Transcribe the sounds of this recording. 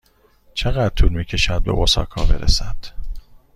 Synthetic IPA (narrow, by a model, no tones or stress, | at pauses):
t͡ʃʰeɣæd̪̚t̪ʰuːlmiːcʰe̞ʃæd̪̚be̞̰ʔosɒ̰ːkʰɒːbe̞ɾḛsæd̪̥